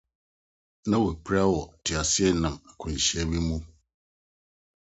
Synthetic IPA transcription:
nã˦wo˨k͡pʰɾa˦wɔ˨tʰɪ˨a˨sɪ˦ɛ˦nã˨ma˨kʰʊ̃˨n̩˨ɕɛ˦bi˦mũ˦

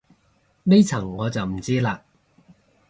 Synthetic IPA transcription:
ne˥jt͡sʰɐ˨˩ŋːɔː˨˧t͡sɐ˨˩wm̩˨˩t͡siː˥laː˧

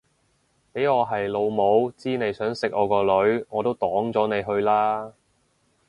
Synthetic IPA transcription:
pe˨˥jŋɔː˨˧ɦɐ˨jlo˨˧wmo˨˧wt͡siː˥ne˨˧jsœː˨˥ŋsɪ˨k̚ʔɔː˨˧kɔː˧lɵ˨˧˥ɥŋɔː˨˧t̪o˥wt̪ɔː˨˥ŋt͡sɔː˨˥ne˨˧jɦɵ˧ɥlaː˥

